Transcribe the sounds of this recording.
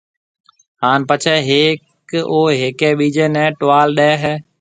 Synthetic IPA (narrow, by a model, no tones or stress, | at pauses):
haːnpət͡ʃʰɛɦeːk | oːɦeːkeːɓiːd͡ʒeːnɛ̃ːʈʋaːlɗɛːɦɛː